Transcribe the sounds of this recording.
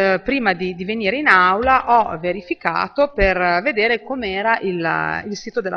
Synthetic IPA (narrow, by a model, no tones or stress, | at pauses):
pɾiːmad̪id̪iveniːɾeinawlaʔɔveɾifika̰ːt̪operved̪eːɾekomeɛːɾaʔililsiːt̪od̪elːʔa̰